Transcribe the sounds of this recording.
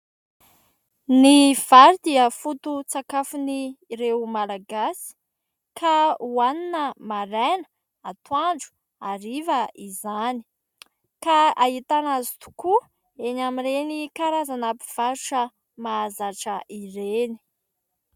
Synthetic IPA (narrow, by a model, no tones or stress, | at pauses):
niv̥aɾud̪iəfut̪ut͡sakafuniɾewmalaɡasi̥ | kʰauaninəmaɾɛnə̥ | at̪uaɳɖ͡ʐu̥ | aɾivəizani̥ | kaaɦit̪anazi̥t̪u̥ku | enamiɾenikaɾazanapi̥v̥aɾuʈ͡ʂə | mazaʈ͡ʂəʔiɾeni̥